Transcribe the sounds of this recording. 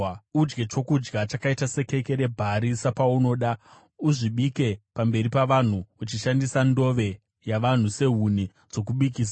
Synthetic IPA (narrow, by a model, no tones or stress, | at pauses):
ud͡ʒɡe̞t͡ʃo̞kud͡ʒɡat͡ʃakaitase̞ke̞ke̞ɾe̞bʱaɾisapauno̞ːɗa | uʐiɓike̞pambe̞ɾipaʋan̤uut͡ʃiʃandisando̞ʋe̞ | jaʋan̤use̞ɦuni | d͡zo̞kuɓik̬iːs̬a